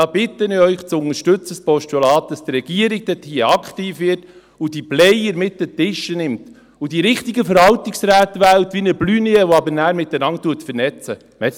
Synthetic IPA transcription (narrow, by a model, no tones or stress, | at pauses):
ɑːbɪt̪əniœʏχt͡sʊŋəʃtɵt͡səspɔʃtulɑːt̚d̥ɑsd̪ɾɛɡ̥iəɾɪɡ̚d̥ɛt̪hiəɑkχtiːfʋɪrt | ud̥iblɛjəɾmɪtːdətɪʃːənɪmt | ud̥iɾɪχtɪɡəfəɾhɑltɪksɾæːtʋæːltʋinəblyːniəʋoɑbəɾnæːɾmɪtːənɑntːuətfəɾnɛt͡sə | mɛ